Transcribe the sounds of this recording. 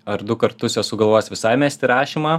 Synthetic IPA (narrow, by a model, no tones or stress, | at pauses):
ɐɾd̪ʊkɐɾt̪ʊsʲɛsʊɡɐlˠʋoːsʲʋʲɪsɐɪmʲæːsʲt̪ʲɪɾɑːʃʲimɑː